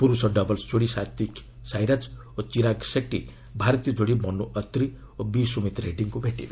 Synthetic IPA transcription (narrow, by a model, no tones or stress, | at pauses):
puɾusʌɖʌbʌlsd͡zoɽisat̪ik | sajɾat͡s | ot͡siɾaksek̚ʈḭ | bʱaɾʌt̪ijʌd͡zoɽimʌnːuʔʌt̪ri | obisumet̪reɖiŋkobʱeʈːḭ